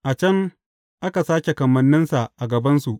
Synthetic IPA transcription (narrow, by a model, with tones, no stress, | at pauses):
ʔa˨t͡ʃɐ˦ŋ | ʔa˦ka˨saː˦kʲe˨kɐ˨mɐ˨nːɪ˦nsa˨ʔʔa˨ɡɐ˨bɐ˦nsu˨ʔ